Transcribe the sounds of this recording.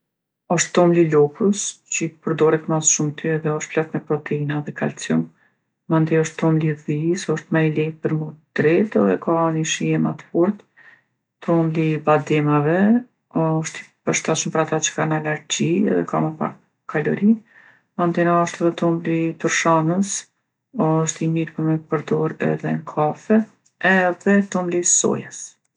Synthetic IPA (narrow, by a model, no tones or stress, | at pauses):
ɔʃt̪ːɔmlilɔkəst͡ɕəpəɾd̪ɔɾɛt̪masʃumt̪ʰiɛðɛɔʃt̪̚plaft̪mɛpɾɔt̪ʰɛinaðɛkʰalt͡sjɔn | mand̪iɔʃt̪ːɔmliðisɔʃt̪malɛpəɾmud̪̥ɾɛt̪ɛðɛkaniʃiɛmat̪fɔɾt̪ | t̪ʰɔmlibad̪ɛmavɛ | ɔʃt̪i̥pəɾʃt̪aʃəmpəɾat̪at͡ʃə̥kanalaɾd͡ʑiɛ̰ðɛ̰kamapa̰ɾ | kʰːalɔ̰ɾi | mand̪inaɔʃt̪ɛðɛt̪ɔmlit̪uɾʃanəs | ɔʃt̪imiɾpəmɛpəɾd̪ɔɾɛ̰ðɛŋkʰafɛ | ɛðɛt̪ɔmlisɔ̰jas